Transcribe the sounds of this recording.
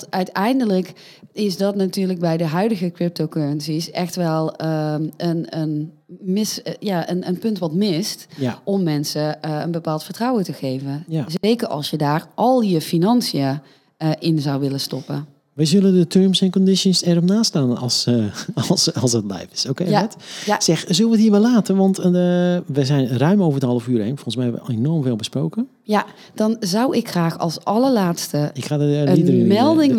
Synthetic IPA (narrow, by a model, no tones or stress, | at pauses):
tœɥtɛjndələk | ɪsdɑtnatyːɹləɡ̚bɛjdəɦœɥdəɣəkrɪp̚towkøɹənsisɛxtʋɛlˠ | ənənmɪsjaənənpɵntʋɑtmɪstʔɔmːɛnsəə̰nbəpaːlˠtfəɹtrɑwətəɣejvəzejkəɹɑ̰lˠsjədaːɹʔɑlˠjəfinɑnsia | ʔɪnzɑwʋɪləstɔpə̰ | ʋɛjzøləndətʰøɹmsɛnkɔndɪʃənsɛrɔpnaːstaːnɑlˠsˠ | sɑlˠsət̚blɛ̰jfɪ̥sokeɛtsɛxzøləʋətiːɹʋɛlaːtənʋɑnt | ʋəzɛjnrœɥmowvəɹəthɑlˠəfyːɾejnfoəns̬mɛjɛʋə̰enɔɹmveːlˠbəsprowkə | ja | d̥ɑnzʌwɪkxraːxɑ̰lˠsɑləɹlaːtstəɪkxaːdəiəmɛlˠdɪŋ